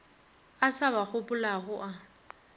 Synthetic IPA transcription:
asaβak͡xʰʊpʼʊlaɦʊʔa

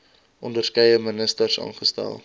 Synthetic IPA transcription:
ʔɔndərskɛjəmənəstərsɑ̰ːnχəstæ̰lˠ

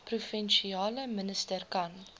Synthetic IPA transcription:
prufɛnʃiɑːləmənəstərkɐn

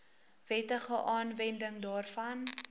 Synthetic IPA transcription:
vɛtəχəʔɑːnvɛndəŋdɑːrfɐn

